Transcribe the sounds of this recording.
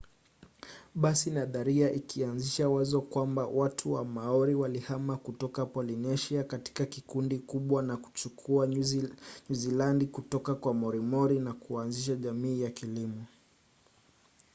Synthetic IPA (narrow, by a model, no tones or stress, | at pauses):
ɓasinaðaɾiaʔikʰianziʃawazɔkwambawatʰuwamaɔɾiwalihamakutɔkapɔlinɛʃiakati̥kakikundikuɓwanaku̥t͡ʃukʰua | ɲuzilandikutɔkakwamɔɾimɔɾinakuanziʃaʄamiːjakilimɔ